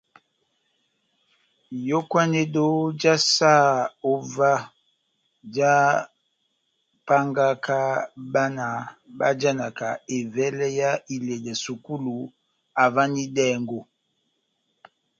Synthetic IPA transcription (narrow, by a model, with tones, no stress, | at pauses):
jo˦kwa˦ne˦do˦d͡ʒa˦sa˦˨o˨va˦ | d͡ʒa˦ | pa˦ŋɡa˦ka˦ba˦na˨ba˦d͡ʒa˦na˨ka˨e˨vɛ˦lɛ˦ja˦i˨le˨da˨su˨ku˦lu˨ | a˨va˦ni˦dɛ˦˨ŋɡo˨